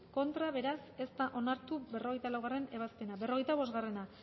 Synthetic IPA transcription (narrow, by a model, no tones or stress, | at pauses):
ko̞nt̪ɾaβe̞ɾase̞st̪aʔo̞naɾt̪uβe̞ro̞ɣe̞jt̪alawɣare̞ne̞β̞aspe̞naβe̞ro̞ɣ̞e̞jt̪aβo̞zɣare̞na